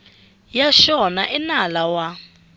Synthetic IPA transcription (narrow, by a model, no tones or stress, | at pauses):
jaʃɔnaʔɛnalawa